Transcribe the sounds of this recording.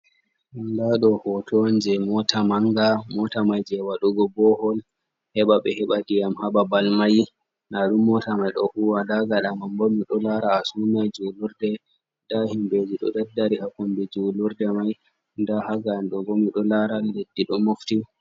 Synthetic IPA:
ʔandaɗɔhɔtʰɔnd͡ʒɛmɔtʰamaŋɡamɔtamajd͡ʒɛwaɗɔɡɔbɔhɔl | hɛɓaɓɛ̰hɛɓadiamhaɓabalmaj | naɗumːɔtamajɗɔhuwadaɡaɗamambomiɗɔlaɾaːsunajd͡ʒuluɾdɛ | dahimbed͡ʒiɗɔ̰ɗɛdːaɾihakɔmbɛd͡ʒuluɾdɛmaj | ndahaɡanɗɔɡomiɗɔlaɾalːedːiɗɔmufti

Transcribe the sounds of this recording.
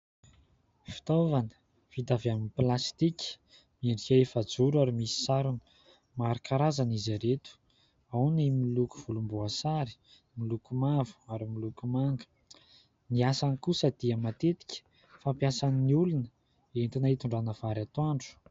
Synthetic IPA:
fi̥t̪ovanə̥ | v̥it̪avjaminiplast̪iki̥ | mieɳɖ͡ʐieefad͡zuɾaɾimisi̥saɾunə̥ | maɾikaɾazanizaɾet̪u̥ | awnimiluku̥v̥ulumbuasaɾi̥ | milukumavu̥aɾimilukumaŋɡə̥ | niasankusəd̪̥iəmat̪et̪i̥kʲə̥ | fampjasaniniulunə | ent̪inaɦit̪uɳɖ͡ʐanəv̥aɾat̪waɳɖ͡ʐu̥

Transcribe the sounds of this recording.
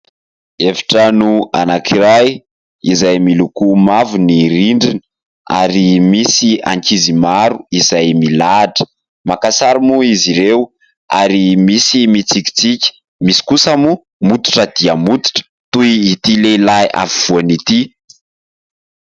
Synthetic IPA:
evi̥ʈ͡ʂənua̰nakiɾaj | izajmilukumavuniriɳɖ͡ʐini | a̰ɾimisia̰ŋkizimaɾuizajmilaʈ͡ʂə̥ | makasaɾimuiziɾew | a̰ɾimisimit͡siki̥t͡sikʲə̥ | misi̥kusamu | mut̪u̥ʈ͡ʂəd̪iəmut̪u̥ʈ͡ʂə̥ | t̪ujːt̪ilelaja̰fiv̥uanit̪i

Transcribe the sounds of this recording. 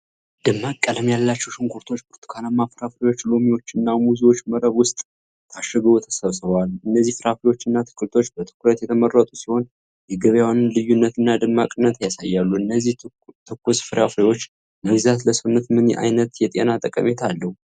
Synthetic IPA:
d̪̥ɨmːakʼːələmjalːat͡ʃːɛwʃɨŋkʰuɾt̪ʰo̞t͡ʃːbʰɨɾt̪ʰu̥kʰanamːafɨɾafɾewo̞t͡ʃːlomiwo̞t͡ʃːɨnːamuziwo̞t͡ʃːməɾəβwʊst̪ʼ | t̪ʰaʃːəɡəβut̪ʰəsəβsɨβwalɨnːəzːihfɨɾafɾewo̞t͡ʃːɨnːat̪ʰɨ̥kʰʼːɨlt̪ʰo̞t͡ʃːbət̪ʰɨ̥kʰuɾət̪jɛt̪ʰəmərːət̪ʼusiho̞n | jɛɡəβjawanɨnlɨjːunːət̪ɨnːad̪ɨmːakʼɨnːət̪jasajːalːuɨnːəzːih | t̪ʰɨkːusfɨɾafɨɾewo̞t͡ʃː | məɡzat̪ləsɨnːət̪mɨnʔa̰jnət̪jɛt̪ʼenat̪ʼəkʼə̰met̪ʰalːəhu

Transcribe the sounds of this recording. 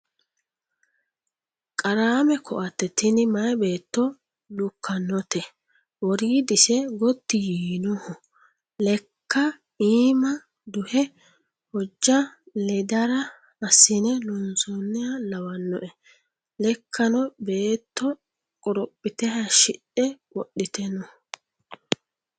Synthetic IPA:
kʼɐɾaːmɛkʰɔʔɐt̪ːɛt̪ɪnɪmɐjbe̞ːt̪ːɔ | lʊkʰːɐnːɔt̪ɛ | wɔɾiːd̪ɪsɛɡɔt̪ːɪjiːnɔhɔ | lɛkːɐ | iːmɐ | d̪ʊhɛ | hɔd͡ʒːɐ | lɛd̪ɐɾɐ | ɐsɪnɛlɔnsɔnːɛɐlɐwɐnːɔʔɛ | lɛkʰːɐnɔbe̞ːt̪ːɔ | kʼɔɾɔpʼːɪt̪ɛhɐʃɪɗɛwɔɗːɪt̪ɛnɔ

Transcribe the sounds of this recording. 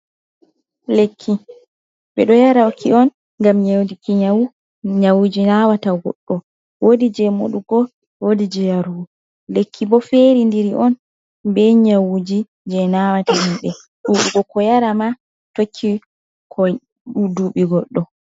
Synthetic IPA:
lekʰːi | ɓɛ̰ɗɔjaɾawkʰiɔn | ŋɡamɲawdikiɲawu | ɲawud͡ʒinawataɡɔ̰ɗːɔ | wodid͡ʒɛmo̰ɗuɡɔ | wodid͡ʒɛjaɾu | lekʰːibɔfeɾindiɾiʔɔn | bɛɲawud͡ʒi | d͡ʒɛnawatahimɓɛ | ɗuɗuɡɔkɔjaɾama | tokʰːi | kʰɔ | ɗuduɓiɡɔɗːɔ

